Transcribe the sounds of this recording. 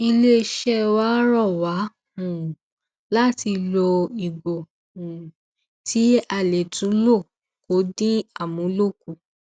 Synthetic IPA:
i˧le˦˧ʃɛ˦˨wa˦ɾɔ˦˨wa˨˦ | hũ˨ | la˦ti˧lɔ˧i˨ɡ͡bo˨ | ũ˨ | tʰi˨˦a˧˨le˨tʰũ˨˦lo˦˨ | ko˨˦dĩ˦a˦˨mũ˨˦lo˦˨ku˦˨

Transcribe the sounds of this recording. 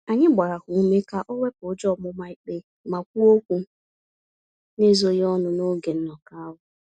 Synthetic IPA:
a˨ɲɪ˦ɡ͡ba˨ɾa˨kʊ˨u˦me˦ka˦ʔɔ˦we˦pʊ˨˦d͡ʒɔ˦˨mʊ˦ma˨i˨k͡pe˨ | ma˨kʷu˦o˦kʷu˦ | ne˦zo˦jɔ˦nʊ˨no˦ɡe˨n̩˦nɔ˨ka˦a˦wʊ˨

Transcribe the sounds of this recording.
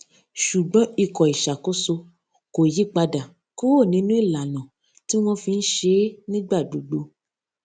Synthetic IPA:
ʃu˨ɡ͡bɔ̃˨˦i˧˨kɔ˨i˨ʃa˨ko˦so˧ | ko˨ji˨˦k͡pa˧da˨ | ko˦wo˦˨nĩ˨˦nũ˦i˦˨la˨nɔ̃˨ | ti˦w̃ɔ̃˧fi˧n̩˦ʃe˧˦nĩ˦ɡ͡ba˦˨du˨ɡ͡bo˨˧

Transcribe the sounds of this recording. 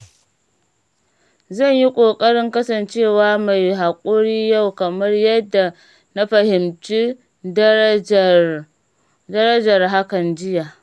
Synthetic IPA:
zɐ˦˨ɲji˦kʷʼoː˨kʼɐ˦ɽɪ˦ŋkɐ˦sɐ˨nt͡ʃeː˦˨waː˦ma˨jɦaː˨kʷʼoː˦ɽiː˦ja˦˨wkɐ˨mɐ˦rjɐ˦dːa˨ | na˦ɸɐ˨hɪ˨mt͡ʃi˦ | dɐ˦ɾɐ˦d͡ʒɐ˨rɦa˦kɐ˨nd͡ʒɪ˦jaː˨

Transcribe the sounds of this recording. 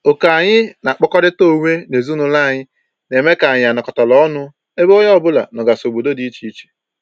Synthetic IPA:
o˨ka˨a˨ɲɪ˦na˨k͡pɔ˦kɔ˦dɪ˦to˦˨ŋʷe˦ne˨zu˦nʊ˦la˦˨ɲɪ˦ | ne˨me˦ka˨ɲɪ˨a˨nɔ˨kɔ˨ta˨lɔ˦ɔ˦nʊ˦ | e˦bo˦ɲ˦ɔ˦˨bʊ˦la̰˨nɔ˨ɡa˨so˨bo˨do˦di˦i˦t͡ʃi˦i˦t͡ʃe̥˨

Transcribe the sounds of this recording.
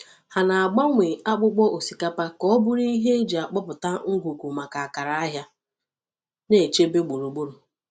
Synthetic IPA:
ha˨na˨a˨ɡ͡ba˦ŋʷe˨a˦k͡pʊ˦k͡pɔ˦ʔo˨si˨ka˦pa˦kɔ˦bʊ˦ɾi˦ɦe˦d͡ʒa˨k͡pɔ˦pʊ˨ta˦ŋ̩˦ɡʷu˨kʷu˨ma˨ka˨a˨ka˨ɾa˦a˦ɦja˦ | ne˨t͡ʃe˦be˦ɡ͡bu˨ɾu˨ɡ͡bu˦ɾu˨

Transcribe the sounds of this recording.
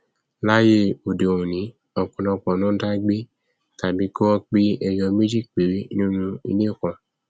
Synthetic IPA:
la˦je˦˨o˨de˨o˨ũ˨nĩ˨˦ | ɔ˨kɔ̃˨nɔ̃˧˨k͡pɔ̃˨nũ˨˦da˦ɡ͡be˦ | ta˨bi˨˦ko˦ɔ˦k͡pi˦ɛ˧jɔ˧me˦d͡ʒi˦˨k̚k͡pe˨ɾi˨˦nũ˦nũ˦ḭ˧nĩ˦o˦˨kɔ̃˨

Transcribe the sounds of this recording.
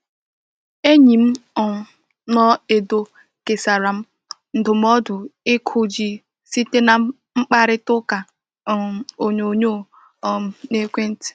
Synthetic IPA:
e˦ɲi˨m̩˦ɔ˨ | nɔ˦e˨do˨ | ke˨sa˨ɾa˨m̩˦ | n̩˦dʊ˨m̩˦ɔ˦dʊ˨ɪ˦kʰʊ˨d͡ʒi˨ | si˦te˦na˨ | ŋ͡m̩˦k͡pa˦ɾɪ˦tʊ˦ka˨ | o˨ɲo˨ɲo˦˨ | ɔ˦˨˦ne˦kʷe˦n̩˦ti̥˨

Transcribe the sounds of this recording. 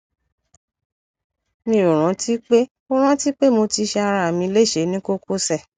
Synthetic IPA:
mĩ˧˨ɾo˨ɾ̃ã˨˦ti˦k͡pe˦ | o˦ɾ̃ã˦ti˦k͡pe˦mo˧ti˧ʃe˧a˧ɾa˧a˨mĩ˧le˦˨ʃe˨˦nĩ˦ko˦ko˦sɛ˦˨

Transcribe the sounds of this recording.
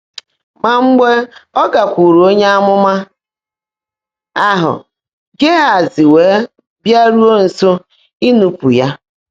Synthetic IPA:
ma˨ŋ͡m̩˦ɡ͡be˦ɔ˦ɡa˨kʷu˨ɾu˨o˦ɲe˦a˦mʊ˦ma˦ | a˦ɦʊ̰˨ | ɡe˦a˨zɪ˨weː˨˦ | bja˦ɾu˦o˦n̩˨so˦ | i˦nu˦pu˨ja˦

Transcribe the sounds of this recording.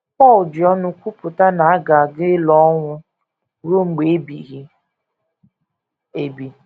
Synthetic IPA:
pɔ˦˨ld͡ʒɪ˨ɔ˦nʊ˦kʷu˦pʊ˨ta˦na˨a˦ɡa˨ɡɪ˦lɔ˦ŋʷʊ˦ | ɾo˦ŋ͡m̩˨ɡ͡be˨˦bḭ˨ɣi˦ | e˨bi˨

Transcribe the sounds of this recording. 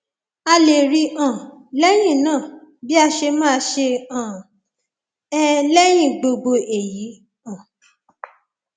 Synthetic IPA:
a˧le˨ɾi˧ã˨lɛ˦j̃ĩ˦˨nãː˦˨bi˦a˧ʃe˧mãː˦˧ʃe˧ã˨ | ɛ˦lɛ˦j̃ĩ˦˨ɡ͡bo˧ɡ͡bo˧e˨ji˨˦ | ã˨

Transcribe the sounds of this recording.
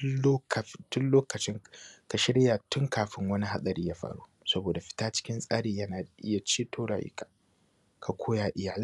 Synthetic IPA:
o˦ktʊ˦nloː˦kɐ˨t͡ʃɪ˦ŋka˨ʃɪ˦ɾɪ˦jaː˨tʊ˦ŋkaː˨ɸɪ˦ŋwɐ˦ni˦ha˦sʼɐ˨ɾiː˦jaː˦ɸa̰ː˨ɽṵ˦sɐ˦boː˨da˨ɸɪ̥˦taː˦t͡ʃɪ̥˦kʲɪ˦nsʼaː˦ɽeː˨jɐ˦naː˨ʔɪ̰˦ja˨t͡ʃiː˦tʰoː˦ɽa̰˨jɪ̰˦kʼʰḁː˨ | kʰa˨kʷʰoː˦jaː˨ʔɪ˨jaː˨lɪ˦

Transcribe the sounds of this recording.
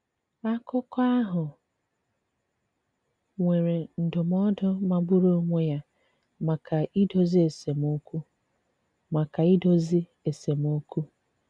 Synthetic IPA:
a˦kʊ˦kɔ˦a˦ɦʊ˨ | ŋʷe˨ɾe˨n̩˨dʊ˨mɔ˦dʊ˦ma˨ɡ͡bʊ˦ɾo˦ŋʷe˦ja˦ | ma˨kʰa˨ʔi˦do˦zi˦e˨se˨mo˦ku˦ | ma˨ka˨i˦do˦zi˦ | e˨se˨m˦o˦ku˦

